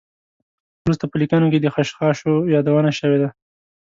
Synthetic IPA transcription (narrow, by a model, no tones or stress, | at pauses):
wɾust̪apəlikanok̬ed̪əxaʃxɑʃojɑd̪awənaʃəwed̪a